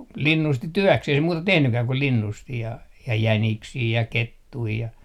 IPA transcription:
linːusti tyøkseh ei se muːtɑ tehnykæː ku linːusti jɑ jæniksiː jɑ ketːui jɑ

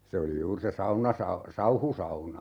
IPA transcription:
se oli juːr se sɑunɑsɑ sɑuhusɑunɑ

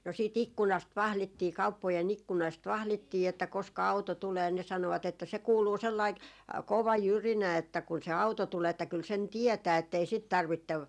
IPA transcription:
no siːt ikːunɑst ʋɑhlitːiː kɑupːojen ikːunɑˑst ʋɑhlitːiː etːæ koskɑ ɑuto tuleː ne sɑnoʋɑt etːæ se kuːluː selːɑik koʋɑ jyrinæ etːæ kun se ɑuto tuleː etːæ kyl sen tiɛtæː etːei sit tɑrʋitːeʋ

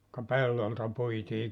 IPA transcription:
kɑ pelːoltɑ puitiː

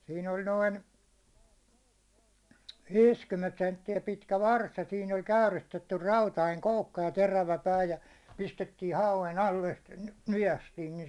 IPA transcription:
siːn olʲ noin ʋiːskymːent sentːiæ pitkæ ʋɑrs jɑ siːn olʲ kæyristetːyr rɑutɑiŋ koukːɑ jɑ teræʋæ pæː jɑ pistetːiː hɑuʋen ɑlːe ste̥ nyj̆æstiːn ni

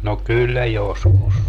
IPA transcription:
no kylːæ joskus

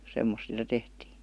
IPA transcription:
semːos sĭtæ tehtiː

